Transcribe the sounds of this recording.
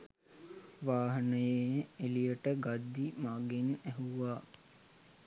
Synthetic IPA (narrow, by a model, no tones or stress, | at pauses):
ʋaːɦənəjeelijəʈəɡad̪ːimaɡenæɦuʋaː